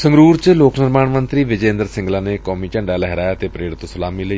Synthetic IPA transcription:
səŋɡɾuːɾt͡ʃloːknɪɾmaːɳmənt̪ɾiːʋɪd͡ʒẽːnd̪əɾsɪ̃ŋɡlaːneːkɔːmiːt͡ʃəɳɖaːlɛɦɾaːjaːt̪eːpɾeːɽɪt̪osəlaːmiːləiː

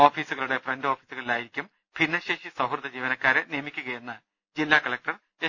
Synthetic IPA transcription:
o̞ːfiːsuɣɐɭuɽe̞frendoːfiːsuɣɐɭilaːjiɾikʲːum | pinːɐɕeːʂisɐɦrt̪ɐd͡ʑiːʋɐnɐkːaːɾɨnijɐmikʲːuɣɐjenːɐ | d͡ʑilːaːkɐɭɐk̚ʈɐr | e

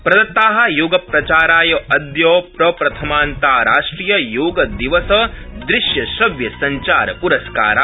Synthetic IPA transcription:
pɾɐd̪ɐt̪ːaːɦɐ̆joːɡɐpɾɐt͡ʃaːɾaːjɐɐd̪joːpɾɐpɾɐt̪ʰɐmaːnt̪aːɾaːʂʈɾiːjɐjoːɡɐd̪iʋɐsɐd̪ɾɪʃjɐʃɐʋjɐsɐɲt͡ʃaːɾɐpuɾɐska̰ːɾaː

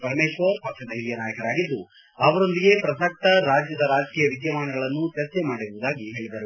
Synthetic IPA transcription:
pɐɾmeːʃʋɐɾpɐkʂɐd̪ɐɦiɾijɐnaːjɐkɐɾaːɡid̪ːu | ɐʋɐɾo̞nd̪iɡe̞pɾɐsɐk̚t̪ɐɾaːd͡ʒjɐd̪ɐɾaːd͡ʒɐkiːjɐʋid̪jɐmaːnɐɡɐɭɐnːut͡ʃɐɾt͡ʃemaːɽiɾuʋud̪aːɡiɦe̞ːɭid̪ɐɾu

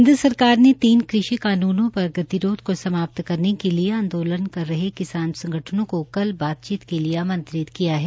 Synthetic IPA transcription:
ɦɪnd̪ɾəsɐɾkaːɾnet̪iːnkɾɪʃikaːnuːnõpɐɾɡɐt̪iɾoːt̪kosɐmaːp̚t̪kɐɾnekelieãːnd̪oːlənkɐɾːɐɦekɪsaːnsɐ̃ŋɡʱəʈʰənõkokɐlbaːt̪̚t͡ʃiːt̪kelieamɐ̃nt̪ɾɪt̪kijaɦɛː

